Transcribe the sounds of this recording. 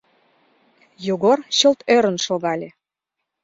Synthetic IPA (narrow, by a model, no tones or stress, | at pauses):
joɣorɕɤ̆lt̪øɾə̆nʃolɣɑlʲe